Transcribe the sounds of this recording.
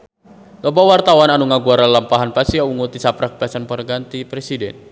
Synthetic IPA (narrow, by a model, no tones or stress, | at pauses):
t̪ɔbawart̪awananuŋaɡuaɾalampaɦanpasiauŋut̪isapɾak̚pɛsanpənɡant̪ipɾesidɛn